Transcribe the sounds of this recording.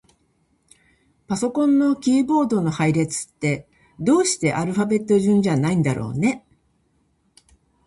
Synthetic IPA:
paso̞kõ̞nːo̞kʲiːbo̞ːd̪o̞no̞haiɾe̞t͡sɨ̥t̪ːe̞ | d̪o̞ːɕi̥t̪e̞ʔaɾɯ̟ɸabe̞t̪ːo̞ʑɨ̃ɲd͡ʑanaĩnd̪aɾo̞̰ːne̞

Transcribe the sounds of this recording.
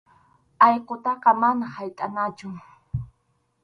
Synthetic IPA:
ɑjqot̪ɑqɑmanahajt̪ʼanat͡ʃʊ

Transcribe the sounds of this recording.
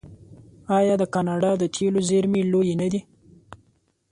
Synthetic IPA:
ɑjɑd̪əkɑnɑɖɑd̪ət̪ʰelozeɾmilojenad̪i

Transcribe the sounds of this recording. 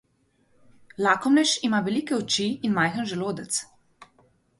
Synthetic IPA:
laːkɔmnɛʃimaʋɛlikɛɔt͡ʃiːnmajxənʒɛloːd̪ɛt̪s

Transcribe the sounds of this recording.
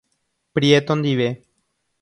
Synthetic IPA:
pɾjet̪ond̪iβe

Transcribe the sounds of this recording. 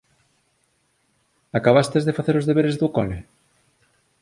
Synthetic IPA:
akaβ̞ast̪ezðefaθeɾozðeβeɾezðukole

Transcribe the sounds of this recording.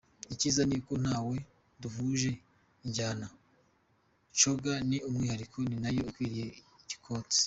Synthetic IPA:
iciːzaniko̞n̥haːwe̞ | duvuʒe̞ | iɲɟaːna | t͡ʃoɡaniumŋiːhaɾikʰo̞ninajo̞ikwiːɾije̞ | ici̥kʰo̞ːte̥

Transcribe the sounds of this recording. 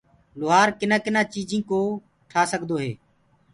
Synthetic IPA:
lʊːɦaːɾkɪnãːkɪnãːt͡ʃiːd͡ʒĩːkoː | ʈʰaːsəɡd̪oːɦḛː

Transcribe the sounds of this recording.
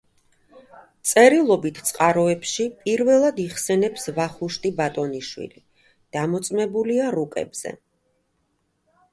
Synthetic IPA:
t̪sʼɛɾilˠɔbit̪ʰt̪sʼqʼaɾɔɛpʃipʼiɾvɛlˠad̪iχsɛnɛpsvaχuʃt̪ʼibat̪ʼɔniʃwḭli | d̪̥amɔt̪sʼmɛbuliaɾukʼɛ̰bz̥ɛ̰

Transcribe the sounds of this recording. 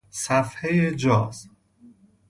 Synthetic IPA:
sæfhejed͡ʒɒːz̥

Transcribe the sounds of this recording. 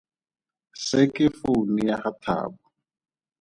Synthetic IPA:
sɪkɪfunijaχat̪ʰa̰ːbɔ

